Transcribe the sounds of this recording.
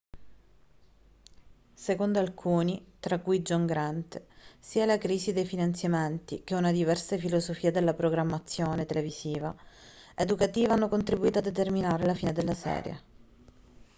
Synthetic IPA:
sekond̪oalkʰuːnit̪ɾakːujd͡ʒɔŋɡɾɛnt̪siːalakɾiːsid̪ejfinant̪sjament̪ik̟eunad̪ivɛrsafilosofiːad̪elːapɾoɡɾamːat̪sːjoːnet̪eleviziːvaed̪ukat̪iːvaanːokont̪ɾibuiːt̪oad̪ːet̪erminaːɾelafiːned̪elːasɛ̰ːɾjḛ

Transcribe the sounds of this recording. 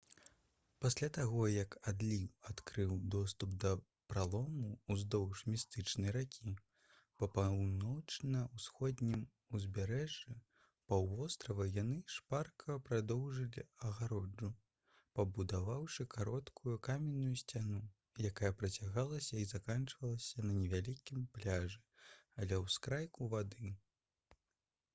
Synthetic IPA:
pasʲlʲat̪aɣɔjɐkad̪lʲiwat̪kɾɨwd̪ɔst̪upd̪ɐ | pɾalˠɔmuːzd̪ɔwʂmʲist̪ɨt͡ʂnɨjɾakʲʰi | pɐpawnɔt͡ʂnɐwsxɔd̪ʲnʲim | uzʲbʲaɾɛʐɨ | pawvɔst̪ɾɐvɐjanɨʂparkʰɐpɾad̪ɔwʐɨlʲiɐɣaɾɔd͡ʐu | pɐbud̪avawʂɨkʰaɾɔt̪kʰujukamʲɛnːujusʲt͡sʲanu | jakajɐpɾɐt͡sʲaɣalˠɐsʲɐizakant͡ʂvɐlˠɐsʲɐnɐnʲɛvʲalʲikʲimplʲaʐɨalʲɛwskɾajkuvad̪ɨ

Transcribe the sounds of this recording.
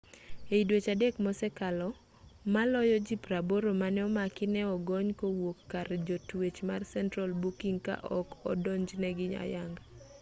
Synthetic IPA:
eidwet͡ʃadɛkmɔsɛkalɔ | malɔjɔd͡ʒipɾaboɾomanɛɔmakɪnɛɔɡɔɲkowokːaɾd͡ʒotwet͡ʃmarsɛntɾalbukiŋka̰ʔɔkɔ̰dɔɲd͡ʒnɛɡɪɲa̰jaŋɡa

